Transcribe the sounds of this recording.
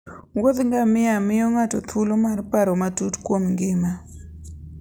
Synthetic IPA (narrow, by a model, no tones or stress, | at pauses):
wod̪ŋɡamɪamɪjɔŋatɔt̪ʰulomarpaɾomatutkwomŋɡɪma